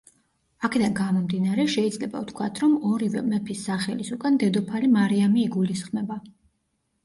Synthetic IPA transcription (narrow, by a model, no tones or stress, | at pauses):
akʰɛd̪anɡamɔmd̪inaɾɛʃɛid̪zlɛba̰ft̪ʰkʰwat̪ʰɾɔmɔɾivɛmɛpʰisːaχɛlisukʼand̪ɛd̪ɔpʰalimaɾiamiːɡulisχmɛba